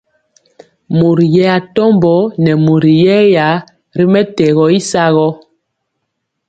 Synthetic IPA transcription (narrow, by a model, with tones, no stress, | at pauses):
mu˨ɾjɛ˦a˨tɔ˦mbɔ˨˦nɛ˨mu˨ɾi˨jɛ˦ja˨˦ | ɾi˦mɛ˦tɛ˨ɣɔ˨i˦sa˦ɣɔ˦